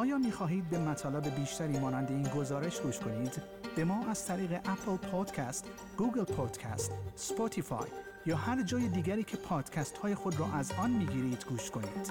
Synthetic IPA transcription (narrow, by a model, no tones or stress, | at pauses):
ʔɒːjɒːmiːxɒːɦiːd̪̚be̞mæt̪ʰɒːlebe̞biːʃt̪ʰæɾiːmɒːnænd̪e̞iːnɡo̞zɒːɾe̞ʃɡuːʃkʰo̞niːd̪ | b̥e̞mɒːʔæz̥t̪ʰæɾiːɣe̞ʔæpʰlpʰod̪̥cʰæst̪ | ɡ̥uːɡelpʰod̪̥cʰæ̰st̪spot̪ʰifɒ̰jː | ɒːhæɾd͡ʒɒːjed̪iːɡæɾiːcʰe̞pʰɒːd̪̥cʲʰæst̪hɒːje̞xod̪rɔːʔæzɒːnmiːɡiːɾiːd̪̥ɡuːʃkʰo̞nḭːd̪̥